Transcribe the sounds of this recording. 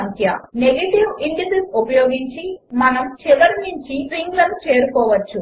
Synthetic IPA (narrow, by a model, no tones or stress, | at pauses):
t̪jɐ̰neɡɐʈiʋiɳɖɐsisupɐjoːɡiɲt͡ʃimɐnɐmt͡ʃiʋɐɾɲiɲt͡ʃiɾiŋɡlɐnut͡ʃe̞ːɾukɔːʋɐt͡ʃːu